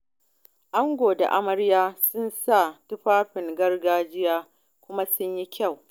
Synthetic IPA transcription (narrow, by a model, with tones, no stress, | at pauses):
ʔa˦ŋɡʷoː˨da̰˨ʔa̰˦mɐ˦ɾjaː˦sʊ˦nsa˦˨tʊ˦ɸaː˦ɸɪ˨ŋɡɐ˦rɡaː˦d͡ʒɪ˦jaː˦ | kʷʊ˦ma˦sʊ˦ɲji˦kʲʰa˦˨w